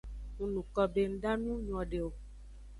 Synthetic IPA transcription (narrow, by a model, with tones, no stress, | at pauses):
ŋũ˨nũ˨kɔ˨be˨ŋ̩˦ɖa˦nũ˦ɲ˦˨ɔ̃˨ɖe˨o˨